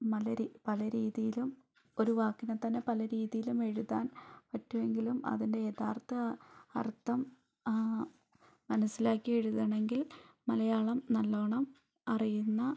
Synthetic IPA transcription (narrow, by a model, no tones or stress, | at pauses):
mɐlɐɾipɐlɐɾiːðijilum | o̞ɾuʋaːkːinɐt̪ːɐnːe̞pɐlɐɾiːðijilume̞ɻuðaːnpɐtːue̞ŋɡilumɐ̰ðinde̞et̪ʰaːrt̪ɐɐ̰rt̪ːɐm | ɐnɐsːilaːkːije̞ɻuðɐɳe̞ŋɡilmɐlɐjaːɭɐmnɐlːo̞ːɳɐm | ɐrijunːɐ